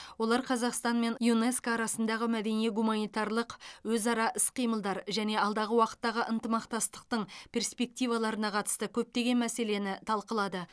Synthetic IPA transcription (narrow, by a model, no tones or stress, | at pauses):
wo̞lˠɑɾqʰɑzɑqst̪ɑnme̞njuneskːɾɑsənd̪ɑʁəmæd̪e̞nijeɡumanijt̪ɑɾlˠəqwɵzɑɾɑʔɪsqʰijməlˠd̪ɑɾʒæne̞ɑlˠd̪ɑʁəwɑqə̥t̪ːɑʁəʔənt̪əmɑqt̪ɑst̪ə̥q̚t̪əɴpʰʲe̞rspe̞k̚t̪ijvɑlˠɑɾənɑqʰɑt̪ə̥st̪əkʲʰɵp̚t̪e̞ɡʲe̞nmæse̞le̞nɪt̪ʰɑlˠqəlˠɑd̪ə